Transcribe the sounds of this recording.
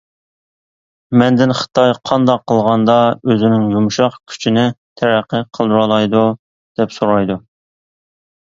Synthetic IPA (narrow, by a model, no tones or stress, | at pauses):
mɛnd̪ɪnχə̥t̪ʰɑjqʰɑnd̪ɑqʰːəlˠʁɑnd̪ɑøzɪnɪŋjumʃɑqkʲʰy̥t͡ʃʰinɪt̪ʰæɾæqʰːəqʰəlˠd̪uɾɑlˠɑjd̪u | d̪̥ɛpsoɾɑjd̪u